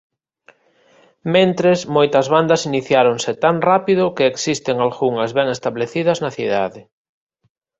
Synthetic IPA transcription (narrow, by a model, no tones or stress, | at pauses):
mẽnt̪ɾesmojt̪ɐzβand̪ɐsiniθjaɾoŋsɪt̪aŋrapiðʊkeːksist̪eŋalɣuŋɐzβɛŋest̪aβleθiðɐznɐθiða̰ðɪ